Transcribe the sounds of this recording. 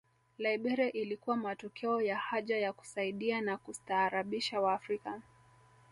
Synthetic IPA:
laiɓɛɾɛʔilikuwamatɔkʰɛɔjahaʄajaku̥saiɗianakustaːɾaɓiʃawaːfɾika

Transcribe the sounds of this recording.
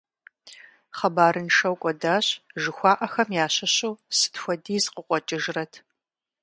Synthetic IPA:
χɐbaːɾɨnʃɐwkʷʼɔdaːɕʒɨxʷɑːʔɐxɐmjaːɕɐɕuːsɨ̥txʷɔdiːzqəqʷʼɔt͡ʃʼɪʒrɐtʰ

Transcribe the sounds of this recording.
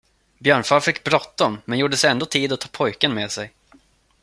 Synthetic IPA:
bjœːɳfaɾfɪkːbɾɔt̪ːaɔmmɛnjuːɖəsɛjɛnd̪oːt̪ʰiːd̪ɔt̪ʰːɑːpʰɔjkənmeːsɛj

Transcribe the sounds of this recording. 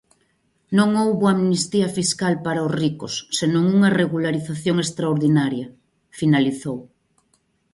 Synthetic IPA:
nõŋowβoamnist̪iɐfiskalpaɾaozrikosːenõŋuŋareɣulaɾiθaθjoŋest̪ɾaoɾðinaɾjɐ | finaliθow

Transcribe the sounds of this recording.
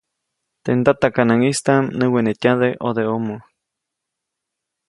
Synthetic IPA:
t̪end̪at̪akanaŋist̪amnɨ̃wenetʲãðeʔoðeomo

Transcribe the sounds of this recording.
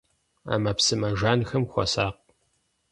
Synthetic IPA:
a̰ːmɐpsɨmɐʒaːnxɐmxʷɔ̰saːq̚

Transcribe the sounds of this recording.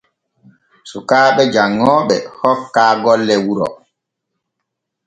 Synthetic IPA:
sukaːɓɛd͡ʒaŋːɔːɓɛhɔkːaːɡɔlːɛwuɾɔ̰

